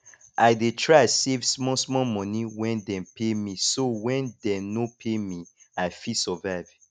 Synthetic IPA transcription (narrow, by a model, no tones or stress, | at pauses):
ʔaɪdetʰɹasevsmɔsmɔmɔ̃niwɛ̃ndɛ̃mpʰemisowɛ̃ndɛnopʰemi | aɪfisɔvaɪv̥